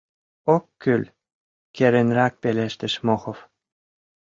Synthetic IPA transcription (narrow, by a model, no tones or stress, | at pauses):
okːylʲ | keɾĕnʲrɑk̚peleʃt̪ɘ̆ʃmoxof